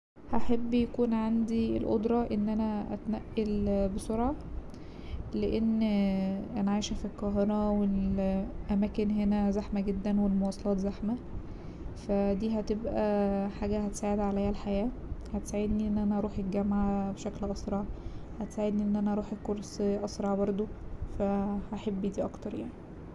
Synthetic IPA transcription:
hæħabːjækuːnʕand̪ielʔod̪ɾˤɑʔenːʔænæʔæ̰t̪næʔːelbesoɾʕɑ | leʔenː | ʔænʕajʃæfilkɑːɦenæwelʔæmæːkenɦenæzaħmæɡed̪ːænwelmowɑːsˤɑlɑːt̪zaħmæ | fæd̪iːɦæt̪ebʔæħaːɡæhæt̪e̥saːʕed̪ʕalæjːælħajæːhæt̪e̥saːʕed̪niʔenːʔænæʔɑɾˤuːħet̪ɡæmʕabeʃæklʔɑsɾˤɑʕhæt̪saːʕed̪niʔenːʔænæʔɑɾuːħekːoɾˤsʔɑsɾˤɑʕbɑɾˤd̪ˤofæhæħebːid̪iːʔɑkt̪ɑɾˤjaʕni

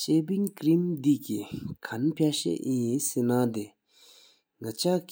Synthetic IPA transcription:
t͡ɕepiŋkɹimd̪ikikʰanpʰaɕḛʔʔisenad̪e | ŋat͡ɕaʔk

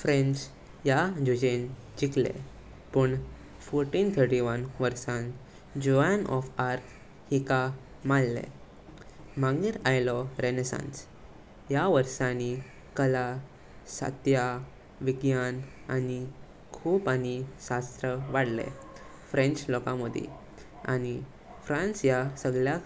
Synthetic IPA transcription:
fɾẽɲt͡s | jad͡ʑud͡ʑen | d͡ʑiklḛ | pəɳ | fɔɾʈĩnt̪ʰəɾʈiʋənʋəɾsãn | d͡ʑɔanɔfaɾk | hika | malːḛ | mãŋɡiɾajlɔɾenəsã̰nt͡s | jaʋəɾsãni | kəla | sa̰t̪ja | ʋiɡjan | ani | kʰuːpanisast̪ɾəʋaɽlḛ | fɾẽnt͡ɕlɔkãməd̪ʱḛ | a̰ni | fɾãnsjasəɡɭja

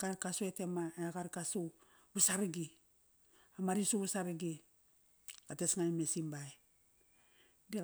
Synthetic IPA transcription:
ɡaɾkasoetemaeɡaɾkasu | βusaɾɡi | amaɾisuβasaɾiɡi | katesŋajmesimbaj | di

